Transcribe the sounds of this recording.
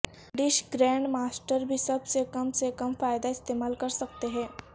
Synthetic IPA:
ɖiɕɡɾæ̃ɳɖmasʈəɾbʱiːsəbsekəmsekəmfajd̪aɪst̪emalkəɾsəkt̪eɦẽ

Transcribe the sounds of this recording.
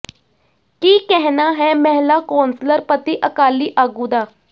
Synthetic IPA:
kiːkɛɦnaːɦɛːmɛɦlaːkɔːnsləɾpət̪iːʔəkaːliːʔaːɡũːd̪aː

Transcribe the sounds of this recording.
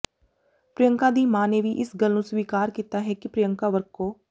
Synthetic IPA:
pɾɪjəŋkãːd̪iːmaːneːʋiːʔɪsɡəlnũːsʋiːkaːɾkiːt̪aːɦɛːkɪpɾɪjəŋkaːʋəɾkoː

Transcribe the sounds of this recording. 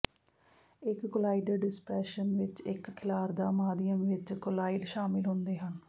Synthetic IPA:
ɪkːʊlaːiɖəɖɪspɾɛːʃənʋɪt͡ʃɪkkʰːɪlaːɾd̪aːmaːd̪ɪjəmʋɪt͡ʃkʊlaːiɖʃaːmɪlɦʊnd̪eːɦən

